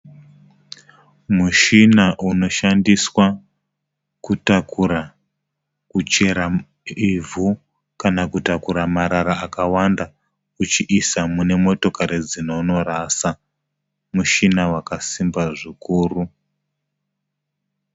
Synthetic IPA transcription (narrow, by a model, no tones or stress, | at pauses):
muʃinaʔuno̞ʃandiswa | kutakuɾa | kut͡ʃe̞ɾa | ivʱu | kanakutakuɾamaɾaɾaakawanda | ut͡ʃiʔisamune̞mo̞to̞kaɾed͡zinono̞ɾasa | muʃinawakasimbaʐikuːru